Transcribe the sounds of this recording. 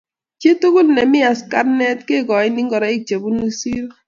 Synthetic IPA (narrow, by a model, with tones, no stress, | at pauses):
t͡ʃe˦tu˦ku˦lnɛ˨mɪ˦a˨ska˦tnɛ˦tke˦˨ɡɔ˨ɪ˦ni˦ŋɡɔ˨ɾa˨˦ɪ˦k̚t͡ʃe˨bu˦nu˦si˦ɾ